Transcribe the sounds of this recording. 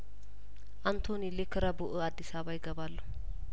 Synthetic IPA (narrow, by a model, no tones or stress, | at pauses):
ʔant̪ʰo̞nilekʰɨɾəbuʔɨad̪ːisaβajɪɡəbalːə